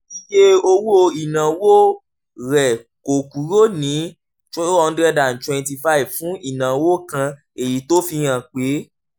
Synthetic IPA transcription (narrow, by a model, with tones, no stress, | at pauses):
i˧je˦o˧wu˦o˧i˨nã˨˦wo˦ | ɾɛ˨ | ko˨ku˨˦ɾo˦nĩ˨˦ | t͡ʃo˦o˦ɔ˧n̩˦dɾɛ˦da˨n̩˨twɛ̃˨nti˧fa˦i˨vfũ˨˦i˦˨nã˨wo˦˨kã˧ | e˨ji˨˦to˦fi˧j̃ã˨k͡pe˨˦